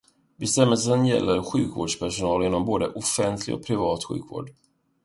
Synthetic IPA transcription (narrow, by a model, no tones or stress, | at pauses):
bɛst̪ɛmːəls̬ənjɛ̰lːəɾɧʉ̟̰ːkvoːɖʂpʰæʂʊnɑːlɪnːɔmboːd̪əʔɔfɛnt̪ʰlɪ̰ɡɔ̰k̚pʰɾɪvɑːt̪ɧʉ̟ːkvo̰ːɖ